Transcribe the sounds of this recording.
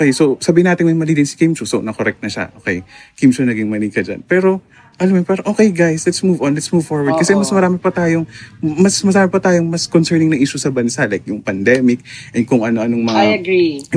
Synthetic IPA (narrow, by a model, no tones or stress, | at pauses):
okejsosɐbiːhɪnaːt̪ɪnmɐjmɐliːd̪ɪnsikejmsusonɐkoɾɛk̚t̪̚nɐʃa̰ʔokejkimʃonɐɡiŋmɐliːkɐd͡ʒɐ̰npɛːɾo̞ | ʔɐlɐmopɛɾoʔoːkejɡajslɛt̪smuːvonlɛt̪smuːvfoɹwɐddkɐsɛmɐsmɐɾaːmɪpɐt̪aːjoŋmɐsmɐsaːɾɐpɐt̪aːjoŋmɐskonsɛɹnɪŋnɐʔiːʃosɐbɐnsaʔlajkjʊŋpɐnd̪ɛːmɪk̚ʔɛn̚kʊŋʔɐno̞ʔɐno̞ŋmɐŋaɐɡi